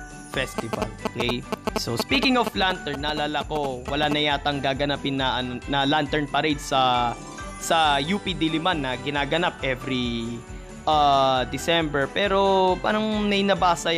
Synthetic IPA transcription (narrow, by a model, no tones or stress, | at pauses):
fɛst̪ɪvɐ̰lokɛjsospiːkɪŋoflant̪ɛɹnːɐlaːlɐko̞wɐlanɐjaːt̪ɐŋɡaːɡɐnapɪnːɐʔɐnnɐlant̪ɛɹnpɐɾejd̪sɐ | sɐjuːpid̪ilɪmanːɐɡɪnaːɡɐnap̚ʔɛvɾi | ʔaːd̪ɪsɛmbɛɹpɛːɾo̞pa̰ːɾɐŋnɐjnɐbaːsɐ